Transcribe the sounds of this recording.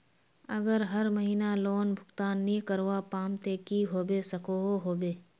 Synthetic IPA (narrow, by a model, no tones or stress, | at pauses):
əɡəɾɦəɾməɦiːnaloːnbʱʊɡt̪aːnːĩkəɾʋapaːmt̪eːkiɦoːbesəkoɦoɦoːbeː